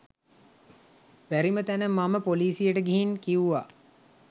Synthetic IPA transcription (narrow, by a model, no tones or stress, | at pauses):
ʋæɾimət̪ænəmːaməpoliːsijəʈəɡeɦinkiuʋa